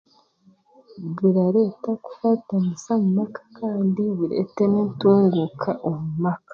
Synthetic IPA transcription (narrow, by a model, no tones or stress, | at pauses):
βiɾaɾe̞ːtaku̥fatanisamumakḁkʰaːndiβiɾḛtenituːŋɡukʰaʔomumakḁ